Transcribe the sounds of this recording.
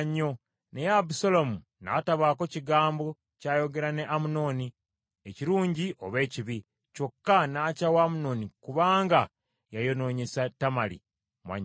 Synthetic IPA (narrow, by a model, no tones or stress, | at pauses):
ɲːo̞ | nejabusolomu | na̰taβaːko̞ciɡaːmbo̞ | caːjo̞ɡe̞ɾane̞ʔamuno̞ːni | eciɾuːɲɟiʔoβe̞ːciβi | co̞kːanaːcawaːmuno̞ːnikuβaːŋɡa | jajo̞no̞ːɲe̞satamalḭ | mwa̰ɲ